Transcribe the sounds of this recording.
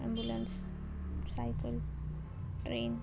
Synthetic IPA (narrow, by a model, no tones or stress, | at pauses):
ambulans | sajpʰəl | ɾen